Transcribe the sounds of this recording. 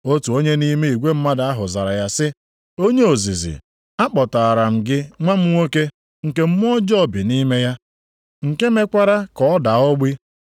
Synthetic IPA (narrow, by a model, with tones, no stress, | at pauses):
o˦tu˨o˦ɲe˦ni˦me˦i˨ɡʷe˦m̩˦ma˦da˨a˦ɦʊ˨za˨ɾa˨ja˦sɪ˦ | o˦ɲe˦o˨zi˨zḭ˨ | a˦k͡pɔ˨ta˨a˨ɾa˨m̩˨ɡɪ˦ŋʷa˦m̩˦ŋʷo˦ke˦ | ŋ̩˨ke˦m̩˦m˦ɔ˦d͡ʒɔ˦˨bɪ˨ni˦me˦ja˦ | ŋ̩˨ke˦me˦kʷa˦ɾa˦kɔ˨ɔ˦da˨ɔ˦ɡ͡bi˦